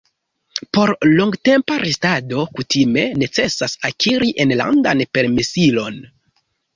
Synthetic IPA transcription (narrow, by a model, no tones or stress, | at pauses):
po̞ɾlo̞ŋɡte̞mpaɾestado̞kutʰime̞ne̞t͡se̞sasakʰiɾiʔenla̰ndanpe̞ɾmesilo̞n